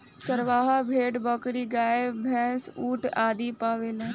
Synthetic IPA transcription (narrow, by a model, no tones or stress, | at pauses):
t͡ʃɐɾʋaːɦabʱeːʈbəkɾiɡaːebʱɛ̃ːsuːʈaːd̪ipaːʋelẽ